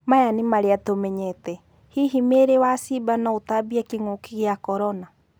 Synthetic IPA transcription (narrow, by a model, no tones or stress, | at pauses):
majanimaɾeatomɛɲɛtɛ | hiɦimeɾewasibanaotabiakiŋokiɣeakɔɾɔna